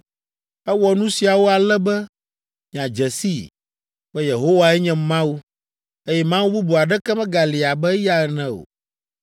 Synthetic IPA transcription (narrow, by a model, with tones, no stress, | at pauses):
ɛ˦wɔ˨nũ˦si˨a˨wo˦a˨lɛ˦bɛ˦ | mĩ˨ã˨d͡ʒɛ˨si˦˨ | bɛ˦je˨ɦo˦wa˨ɛ˦ɲɛ̃˨mã˦wu˦ | e˦jɛ˦mã˦wu˦bu˦bu˨a˨ɖɛ˦kɛ˦mɛ̃˦ɡa˨li˨a˨bɛ˦ja˦ɛ˨nɛ̃˦o̰˨